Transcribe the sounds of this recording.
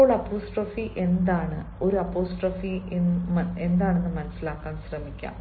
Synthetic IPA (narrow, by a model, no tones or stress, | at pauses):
oːɭɐpoːsʈrɐfiʔe̞nd̪aːɳɨo̞ɾuɐpːo̞ːsʈrɐfine̞nd̪aːɳe̞nːɨmɐnɐsːilaːkːaːnɕrɐmikʲːa̰ːm